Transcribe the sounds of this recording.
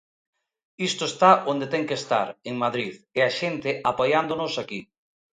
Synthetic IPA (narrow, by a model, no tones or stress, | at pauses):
ist̪oest̪aʔond̪et̪ɛŋkest̪a̰ɾeŋmaðɾiðeaʃent̪ɪʔapojand̪onʊsaki